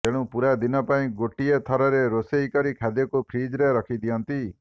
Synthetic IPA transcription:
t̪eɽ̃ũpuɾad̪inɔpaĩɡoʈiet̪ʰɔɾɔɾeɾosejkɔɾikʰad̪jɔkupʰɾid͡ʒɾeɾɔkʰid̪ijɔnt̪i

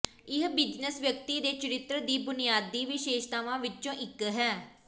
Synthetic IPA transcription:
ɪɦbɪd͡ʒnəsʋjək̚t̪iːd̪eːt͡ʃəɾɪt̪ɾəd̪iːbʊnijaːd̪ːiːʋɪʃeːʃt̪aːʋãːʋɪt͡ʃõːʔɪkːɦɛː

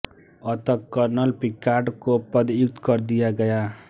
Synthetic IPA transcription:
ʌt̪ʌkːʌrnʌlpikːaɖkopʌd̪ijuk̚t̪kʌɾd̪ijaɡʌja

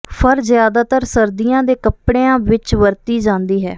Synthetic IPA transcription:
pʰəɾzjaːd̪aːt̪əɾsəɾd̪iːjãːd̪eːkəpɽeːãːʋɪt͡ʃʋəɾt̪iːd͡ʒãːnd̪iːɦɛ̰ː

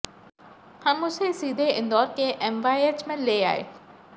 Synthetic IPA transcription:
hãɽ̃mʊ̃sesiːd̪ʱeɪ̃nd̪ɔːɾkeʔɛːmʋaːiet͡ɕmẽleːa̰ːɦḛː

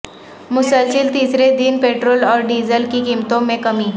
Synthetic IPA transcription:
mʊsəlsilt̪iːsɾed̪inpeʈɾoːlɔːɾɖiːzəlkikimt̪õmẽkəmiː

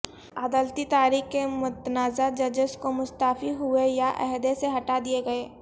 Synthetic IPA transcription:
aːd̪aːlt̪it̪aːɾiːxkemʊt̪naːzad͡ʒɐd͡ʒəskomʊst̪aːfiɦuejaʔɛ̰ɦd̪eseɦɐʈad̪ieɡɐeː

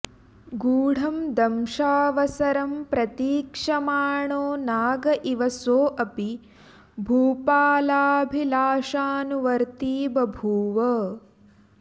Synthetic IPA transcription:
ɡuːɽ̤ʱɐmd̪ɐmʃaːʋɐsɐɾɐmpɾɐt̪iːkʂɐmaːɳoːnaːɡɐʔiʋɐsoːʔɐpi | bʱuːpaːlaːbʱilaːʂaːnuʋɐɾt̪iːbɐbʱuːʋɐ

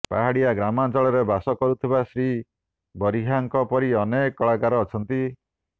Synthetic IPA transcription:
paɦaɽijaɡɾamad͡ʒɔɭɔɾebasɔkɔɾut̪ʰibasɾi | bɔɾiɦaŋkɔpɔɾiɔnekɔɭakaɾɔːt͡ʃʰɔnt̪i

